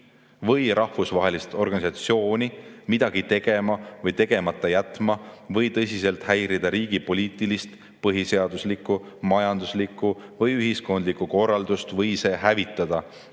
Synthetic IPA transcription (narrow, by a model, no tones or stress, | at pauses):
vɤjɾʔɑhvusvɑɦe̞list̪o̞rɡ̥ɑnisɑt̪sio̞ːnʲimid̪̥ɑɡ̥it̪e̞ɡ̥e̞mɑvɤjt̪e̞ɡ̥e̞mɑt̪ˑːɑjæt̪mɑvɤjt̪ɤsʲise̞lt̪hæjɾid̪ɑɾiːɡ̥ipo̞lʲiːt̪ˑilist̪ | pɤɦise̞ɑd̪̥uslikːˑu | mɑjɑnd̪uslikːˑuvɤjyɦisko̞nd̪likːuko̞rːɑld̪̥ust̪vɤjse̞ːɦævit̪ːˑɑd̪̥ɑ